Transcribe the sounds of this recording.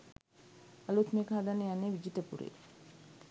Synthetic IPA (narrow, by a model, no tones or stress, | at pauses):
alut̪meːkəɦad̪anəjanːeʋid͡ʒit̪əpuɾḛː